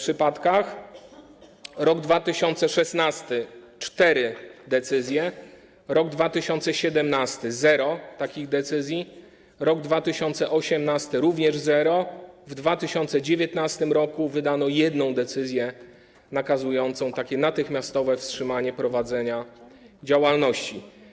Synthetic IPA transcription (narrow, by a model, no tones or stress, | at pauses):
pʂɘpat̪kax | ɾɔɡd̪vat̪ɘɕɔnt̪sɛʂɛsnast̪ɘ | t͡ʂt̪ɛɾɘd̪ɛt̪sɘzʲjɛ | ɾɔɡd̪vat̪ɘɕɔnt̪sɛɕɛd̪ɛmnast̪ɘzɛɾɔt̪akʲiɣd̪ɛt̪sɘzʲji | ɾɔɡd̪vat̪ɘɕɔnt̪sɛʔɔɕɛmnast̪ɘɾuvɲɛʐzɛɾɔvd̪vat̪ɘɕɔnt̪sɛd͡ʑevʲjɛt̪nast̪ɘmɾɔkuvɘd̪anɔjɛd̪nɔ̃w̃d̪ɛt̪sɘzʲjɛ | nakazujɔnt̪sɔ̃w̃t̪akʲɛnat̪ɘxmʲjast̪ɔvɛfstʂɘmaɲɛpɾɔvad̪zɛɲa | d͡ʑawalnɔɕt͡ɕi